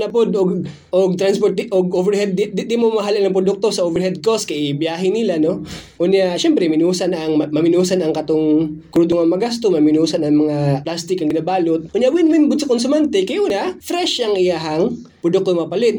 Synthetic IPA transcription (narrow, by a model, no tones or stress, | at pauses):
nɐpod̪oɡ | ʔoɡ̚t̪ɾanspot̪̚ʔoɡʔovɛɹhɛd̪̚d̪ɪd̪ɪmomɐɦalɐnɐŋpɾod̪ʊk̚t̪osɐʔovɛɾhɛd̪̚koskɐʔɪbjaːɦɪnɪlano̞ | ʔʊnjaʃɛmpɾɛmɪnuːsanɐŋmɐmɪnuːsanɐŋkɐt̪oŋkɾuːd̪oŋɐmɐɡast̪omɐmɪnuːsanɐŋmɐŋaplast̪ɪkɐŋɡɪnabaːlot̪̚ʔʊnjaʔwɪnwɪnbʊd̪sɐkonsʊmant̪ɛkɐjʔuːnafɾɛʃɐŋɪjaɦaŋpɾod̪ʊk̚t̪omɐpɐlɪt̪̚